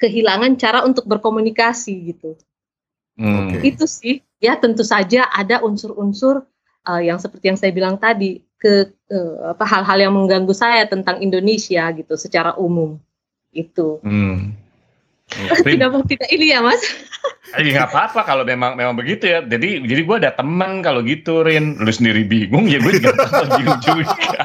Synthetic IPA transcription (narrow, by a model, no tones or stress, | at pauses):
kəɦilaŋant͡ʃaɾaunt̪ʊk̚bərkomunikasiɡit̪u | it̪usɪh | jat̪ənt̪usad͡ʒaʔadaʔunsʊrunsʊr | ʔəjaŋsəpərt̪ijaŋsajabilaŋt̪adikə | əa̰paɦalɦaljaŋməŋɡaŋɡusajat̪ənt̪aŋindonesiaɡit̪usət͡ʃaɾaʔumʊm | it̪u | idakbat̪idailiamas | ajaŋapaːpakalomemaŋmemaŋbəɡit̪ujad͡ʒadid͡ʒadiɡuadat̪əmənkaloɡit̪uɾɪnlʊsəndiɾibiɡʊŋjaɡuaiɡaaud͡ʒua